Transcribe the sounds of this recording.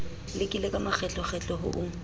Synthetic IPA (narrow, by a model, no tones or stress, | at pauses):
lɪkʼilekʼamak͡xʰɛt͡ɬʼɔχʰɛt͡ɬʼɔɦʊ̰ʔʊŋ̩